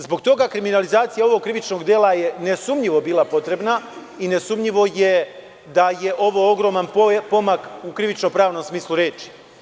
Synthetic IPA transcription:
zbo̞ɡ̚t̪o̞ɡakɾiminalizaːt̪sijao̞ʋo̞ɡ̚kːɾiʋit͡ʃno̞ɡd̪jeːlˠaje̞ne̞sumʎiʋo̞biːlˠapo̞t̪ɾe̞bna | ine̞sumʎiʋo̞je̞ | d̪aje̞ʔo̞ʋo̞oɡɾo̞manppo̞makukɾiʋit͡ʃno̞pɾaːʋno̞msmiːslˠuɾe̞ːt͡ʃi̥

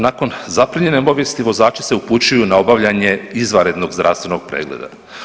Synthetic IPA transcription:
nako̞nzapɾiɲe̞nepo̞ʋjest̪iʋo̞zaːt͡ʃe̥se̞uput͡ɕujunao̞baʋʎaɲe̞izʋaɾe̞d̪no̞ɡzd̪ɾa̰ːst̪ʋe̞no̞ɡ̥̚pɾḛːɡlḛd̪a̰

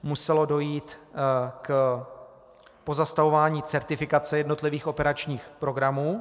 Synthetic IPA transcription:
musɛlo̞do̞jiːt̪k | po̞zast̪avo̞vaːɲiːt͡sɛɾt̪ɪfɪkat͡sɛjɛdno̞t̪lɪviːxo̞pɛɾat͡ʃɲiːxpɾo̞ɡɾamuː

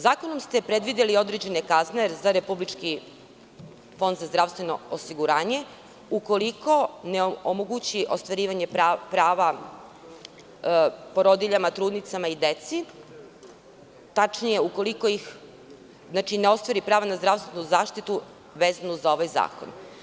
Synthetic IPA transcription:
zaːkonomst̪e̞pɾed̪ʋid̪elio̞d̪ɾed͡ʑe̞nekazneɾzaɾe̞publit͡ʂki | fo̞nd̪zazd̪ɾaʋst̪ʋe̞no̞̰osiɡuɾaːɲe̞ | uko̞liko̞neoomoɡut͡ɕiʔo̞st̪ʋaɾiːʋaɲe̞pɾaːʋa | po̞ɾo̞d̪iʎamat̪ɾuːd̪nit̪samaid̪et̪si | t̪at͡ʃnije̞uko̞liko̞ix | znat͡ʃineo̞st̪ʋaɾipɾaːʋanazd̪ɾaʋst̪ʋenuzaːʃt̪it̪u | ʋeːzanuzao̞ʋajza̰ːko̰n

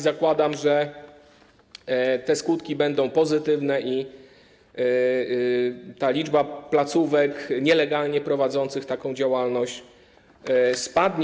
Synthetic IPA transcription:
zakwad̪amʐɛ | t̪ɛskut̪kʲibɛnd̪ɔ̃w̃pɔzɘt̪ɘvnɛʔi | t̪alʲid͡ʐbaplat̪suvɛkɲɛlɛɡalɲɛpɾɔvad̪zɔnt̪sɘxt̪akɔ̃w̃d͡ʑawalnɔɕt͡ɕ | spad̪ɲ

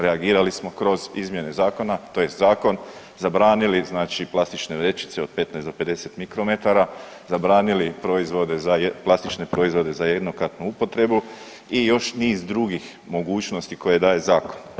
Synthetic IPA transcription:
ɾe̞aɡiːɾalismo̞kɾo̞zizmje̞ne̞zaːko̞nat̪o̞je̞st̪zaːko̞n | zabɾaːniliznaːt͡ʃiplˠast̪it͡ʃne̞ʋɾe̞t͡ʃi̥t̪seo̞d̪̥̚pe̞t̪najsd̪ope̞d̪e̞se̞t̪mikɾo̞me̞t̪aɾa | zabɾaːnilipɾo̞izʋo̞d̪e̞zajplˠast̪it͡ʃne̞pɾo̞izʋo̞d̪e̞zaje̞d̪no̞kɾat̪nuupo̞t̪ɾe̞bu | ijo̞ʃniːzd̪ɾuɡix | mo̞ɡuːt͡ʃno̞st̪iko̞je̞d̪aːje̞zaːko̞̥n

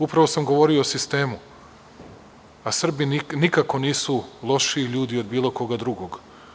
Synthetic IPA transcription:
upɾaʋo̞samɡo̞ʋo̞ɾioosist̪e̞ːmu | asr̩binnikako̞niːsulˠo̞ʃiːʎuːd̪io̞d̪biːlˠo̞ko̞ɡad̪ɾuɡo̞ɡ

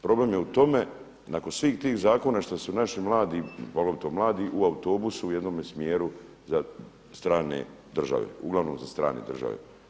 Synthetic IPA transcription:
pɾo̞blemjeut̪o̞me | nako̞nsʋiːxt̪iːxzaːko̞naʃt̪asunaʃimlˠaːd̪ipoɡloʋit̪omlaːd̪iʔuaut̪o̞ːbusuːjed̪noːmesmjeːɾu | za | st̪ɾaːnḛ | d̪r̩ʒa̰ʋḛuɡlˠaʋnomzast̪ɾa̰ːnḛd̪r̩ʒa̰ʋḛ

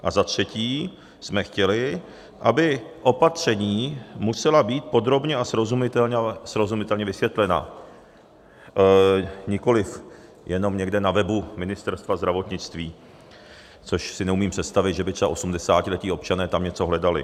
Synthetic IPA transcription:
ʔa̰zat̪r̝̥ɛciː | smɛxcɛlɪ | ʔabɪʔo̞pat̪r̝̥ɛɲiːmusɛlabiːt̪̚po̞d̪ɾo̞bɲɛasɾozumɪt̪ɛɲsɾozumɪt̪ɛlɲɛvɪsvjɛt̪lɛna̰ | ɲɪko̞lɪf | jɛno̞mɲɛɡdɛnavɛbumɪnɪst̪ɛɾst̪vazd̪ɾavo̞t̪ɲɪt͡st̪viː | t͡so̞ʃsɪnɛumiːmpr̝̥ɛt̪st̪avɪt̪ʒɛbɪt̪rɛba̰ʔo̞sumdɛsaːcɪlɛciːo̞p̚t͡ʃanɛːt̪amɲɛt͡so̞ɦlɛdalɪ̰

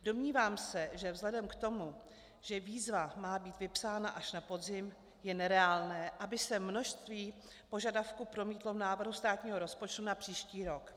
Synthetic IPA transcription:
do̞mɲiːvaːmsɛʒɛvzlɛdɛmkt̪o̞mu | ʒ̥ɛviːzvamaːbiːt̪vɪpsaːnaʔaʃnapo̞dzɪm | jɛnɛɾɛaːlnɛːʔabɪsɛmno̞ʃst̪viː | po̞ʒadafkupɾo̞miːt̪lo̞vnaːvr̩ɦust̪aːt̪ɲiːɦoɾo̞spo̞t͡ʃt̪unapr̥iːʃciːɾo̞k

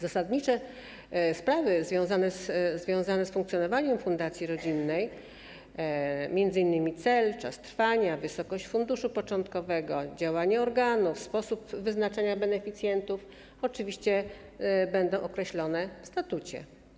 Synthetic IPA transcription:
zasad̪ɲit͡ʂɛ | spɾavɘzvʲjɔ̃w̃zanɛszvʲjɔ̃w̃zanɛsfuŋkt̪sjɔnɔvaɲɛmfund̪at̪sʲjiɾɔd͡ʑinːɛj | mʲjɛnd̪zɘinːɘmʲit̪sɛlt͡ʂa̰st̪ɾfaɲavɘsɔkɔɕt͡ɕfund̪uʂupɔt͡ʂɔnt̪kɔvɛɡɔd͡ʑawaɲɛɔɾɡanufspɔsupvɘznat͡ʂaɲabɛnɛfʲit̪sʲjɛnt̪uf | ɔt͡ʂɘvʲiɕt͡ɕɛ | bɛnd̪ɔ̃w̃ʔɔkɾɛɕlɔnɛfst̪at̪ut͡ɕɛ̰

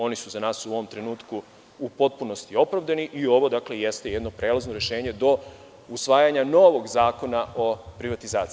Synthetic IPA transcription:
o̞nisuzanaːsuo̞ʋo̞mt̪ɾe̞nuːt̪ku | upo̞t̪̚puno̞st̪io̞pɾaʋd̪aniʔio̞ʋo̞d̪akle̞je̞st̪e̞je̞d̪no̞pɾe̞ːlazno̞ɾe̞ʃe̞ːɲe̞d̪o̞ | usʋaːjaɲano̞ʋo̞ɡzaːko̞naʔo̞pɾiʋat̪izaːt̪si

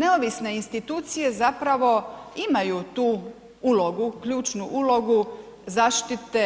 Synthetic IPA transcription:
ne̞oʋisne̞inst̪it̪uːt̪sije̞zapɾaʋo̞imajuːt̪uː | ulo̞ɡukʎuːt͡ʃnuʔulo̞ɡu | zaːʃt̪it̪e

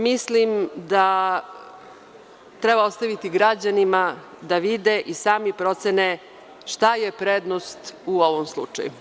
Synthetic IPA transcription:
mislimd̪a | t̪ɾebao̞st̪aʋit̪iɡɾad͡ʑanima | d̪aʋid̪eʔisaːmipɾo̞t̪sene | ʃt̪aje̞pɾeːd̪nost̪uoʋomslˠṵt͡ʂa̰jṵ

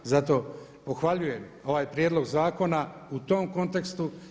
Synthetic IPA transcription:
zat̪o̞ː | po̞xʋaʎuje̞mo̞ʋaːjpɾjeːd̪lˠo̞ɡzaːko̞naut̪o̞ːmko̞nt̪e̞kst̪u

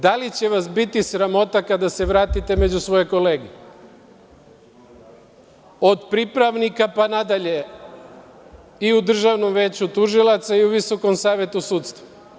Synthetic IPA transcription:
d̪alit͡ɕe̞ʋasbit̪isɾamo̞t̪akad̪ase̞ʋɾaːt̪it̪e̞me̞d͡ʑusʋo̞jekole̞ːɡi | od̪pɾipɾaʋnikapanad̪aʎe̞ | iud̪r̩ʒaʋno̞mʋe̞ːt͡ɕut̪uʒilˠat̪saiuʋiso̞ko̞msaːʋje̞t̪usuːt̪st̪ʋo

